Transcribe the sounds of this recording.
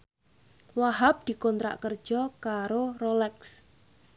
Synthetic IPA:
waɦap̚d̪̥i̤kɔnt̪ɾa̰ʔkərd̥ʒ̥ɔkaɾorolɛks

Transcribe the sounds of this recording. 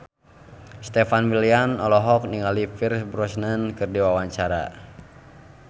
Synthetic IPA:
st̪ɛfanwilianɔlɔɦɔk̚niŋalifirsbɾɔsnənkɨrdiwawaɲt͡ʃaɾa̰

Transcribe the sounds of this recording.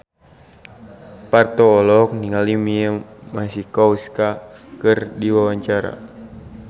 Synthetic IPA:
part̪ɔːlɔk̚niŋalimiəmasikɔuskakɨrdiwawaɲt͡ʃaɾa̰

